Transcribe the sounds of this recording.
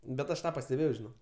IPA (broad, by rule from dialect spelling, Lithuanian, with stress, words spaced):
bʲɛt ˈɐʃ ˈtɑː pɐsʲtʲɛˈbʲeːjɛʊ ʒʲɪˈnoːk